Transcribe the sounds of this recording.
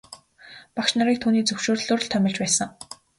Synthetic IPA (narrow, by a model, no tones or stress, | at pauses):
pakʃnaɾiːk̚t̪ʰuːniːt͡sɵwʃoːr̆ɮoːr̆ɮt̪ʰœmʲɪ̆ɮt͡ɕpæːsə̆ŋ